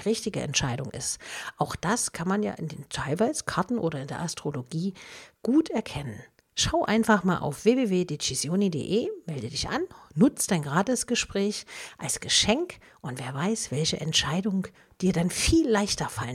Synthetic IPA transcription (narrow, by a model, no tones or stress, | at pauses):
ʁɪçtɪɡəʔɛ̰ntʃaɪdʊŋʔɪ̰stʔaʊxd̥askʰanmanja̰ːʔɪndeːntʰaɪlvaɪzəkʰaɐtn̩ʔoːɾɐɪndeːɐʔastʁ̥oloɡiːɡ̥uːtɛɐkʰɛnən | ʃaʊʔa̰ɪnfaχmaːlʔa̰ʊfv̥eːveːveːdet͡ʃizjoːnidḛːʔeːmɛldədɪçʔa̰nːʊt͡sd̥aɪnɡʁaːtəsɡ̥əʃpʁ̥ɛːçʔalsɡ̥əʃɛŋk | ʔʊntv̥eːɐvaɪsv̥ɛlçəʔɛ̰ntʃaɪdʊŋ | d̥iːɐdanfiːlːaɪçtɐfalən